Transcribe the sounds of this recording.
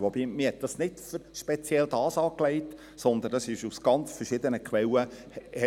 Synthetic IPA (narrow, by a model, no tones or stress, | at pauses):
ʋobiːmɪhɛt̚d̥ɑsnɪtfʏɾʃpɛt͡sjɛlt̪ɑːsɑːklɛɪt | sɔnd̪ənd̥ɑsɪʃusɡ̥ɑnt͡sfəɾʃɪd̪ənəkʰʋɛlːə | ɛ